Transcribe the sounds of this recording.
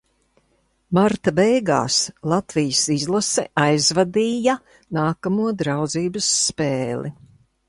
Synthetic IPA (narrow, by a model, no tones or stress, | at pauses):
maɾt̪abɛjɡa̰ːslˠat̪vijəsizlˠasɛʔajzvad̪iːjɐ | naːkamuɔd̪ɾawd̪ziːbəsːpeːli